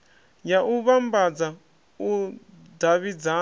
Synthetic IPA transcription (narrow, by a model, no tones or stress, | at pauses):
jaʔuβambad͡za | u | daβid͡za